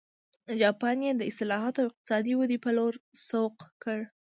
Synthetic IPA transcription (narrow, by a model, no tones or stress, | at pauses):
d͡ʒɑpɑnjed̪əɪst̪ɪlɑɦɑt̪oawɪq̚t̪ɪ̥sɑd̪iwad̪ipəloɾsoqkəɽ